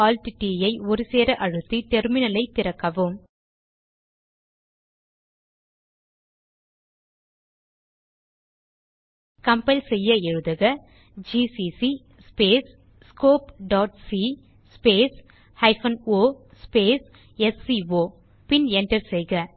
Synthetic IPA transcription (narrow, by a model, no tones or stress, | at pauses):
aːlʈɪʈːijɐɪɔɾɯseːɾɐʔɐɻɯt̪ːit̪ɛɾmɪnɐlɐɪt̪ːɪɾɐkːɐʋɯm | kɐmpɛlsɛjːɐɛɻɯðɐɣɐ | d͡ʒisisi | speːs | skoːpɖaːʈ̚si | speːs | hɐɪfɐnoː | speːs | ɛsiʋoː | pɪnɛɳɖɐɾsɛjɣɐ